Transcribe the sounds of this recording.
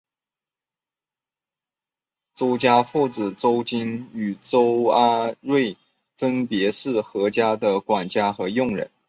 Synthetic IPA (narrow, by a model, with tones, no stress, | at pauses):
t͡so˥ʊt͡ɕja˥fu˥˩t͡sɹɻ̩˨˩ʈ͡ʂo˥ʊt͡ɕi˥ny˨˩ʈ͡ʂo˥ʊa˥ɻwe˥˩ɪ | fə˥npjɛ˧˥ʂɻ̩˥˩xɤ˧˥t͡ɕja˥d̪ə˨kwa˨˩nt͡ɕja˥xɤ˧˥jʊ˥˩ŋɻə̰˧˥n